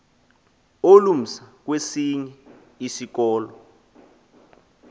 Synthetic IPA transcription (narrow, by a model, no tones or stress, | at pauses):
olum̩sak̬wesiɲɛ | isik̬ɔːlɔ